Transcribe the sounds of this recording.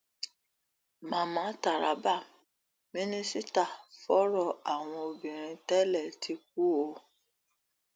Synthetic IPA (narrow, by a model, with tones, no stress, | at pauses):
mãː˨˦mãː˨˦ta˦˨ɾa̰˨˦ba˦˨ | mĩ˦nĩ˦si˦ta˦˨fɔ˦ɾɔ˦˨a˨w̃ɔ̃˧o˧bĩ˨ɾ̃ĩ˧tɛ˦lɛ˦˨tʰi˨˦k̚u˦o˧˦